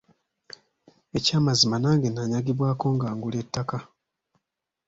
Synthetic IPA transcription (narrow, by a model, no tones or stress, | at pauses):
e̞caːmazimanaːŋɡenaɲaɡiβwaːko̞ːŋɡaːŋɡuletːaka